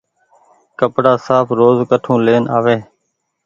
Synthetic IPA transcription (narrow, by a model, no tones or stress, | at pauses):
kəpɽaːsaːpʰɾoːzkəʈʰũːleːnaːʋeː